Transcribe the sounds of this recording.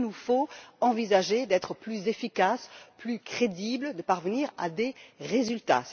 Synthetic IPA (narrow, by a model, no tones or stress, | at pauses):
nufoɑ̃vizaʒed̪ɛt̪χəplyzefikasplykχed̪ibləd̪əpaʁvəniʁa̰d̪eʁezylt̪a̰s